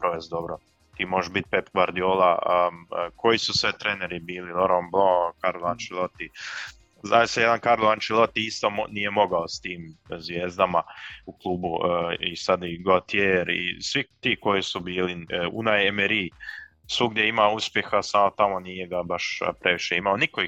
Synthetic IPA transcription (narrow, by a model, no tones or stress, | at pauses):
pɾoʋesd̪o̞bɾo | t̪iːmoʒeʃbit̪̚pepɡʋaɾd̪ioːlˠa̰əkʰo̞jisusʋet̪ɾeːneɾibiːliloɾomblˠokaɾlant͡ʃilˠot̪i | zaisajed̪ankaɾlant͡ʃilˠot̪iist̪oːnije̞mo̞ɡaost̪iːmzʋjeːzd̪amauklˠuːbuisad̪iɡot̪jeːɾḭsʋit̪iːko̞jisubiːliunajemeɾiː | sʋuɡd̪jeimauspje̞xasamo̞t̪amo̞niːjeɡabaʃpɾe̞ʋiʃe̞imaonikoi